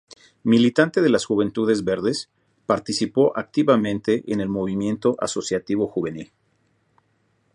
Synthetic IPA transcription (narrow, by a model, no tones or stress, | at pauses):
milit̪ant̪eðe̞lasxuβe̞nt̪uðe̞zβe̞ɾðe̞s | paɾt̪isipo̞ʔak̚t̪iβamẽnt̪e̞ʔene̞lmo̞β̞imjẽ̞nt̪o̞ʔa̰so̞sjat̪iβ̞o̞xuβe̞nil